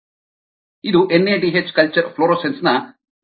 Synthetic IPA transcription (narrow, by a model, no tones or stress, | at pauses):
id̪uʔenːeːʈiɦet͡ʃkɐlt͡ʃɐɾpʰloːɾoːsensnɐ